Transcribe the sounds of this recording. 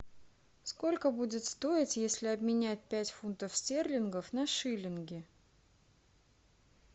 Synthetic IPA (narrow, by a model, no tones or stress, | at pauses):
sko̞lʲkəbudʲɪt̪st̪o̞ɪtʲjesʲlʲɪɐbmʲɪnʲæt̚ʲpʲætʲfunt̪əfsʲtʲerlʲɪnɡəfnɐʂɨlʲɪnɡʲɪ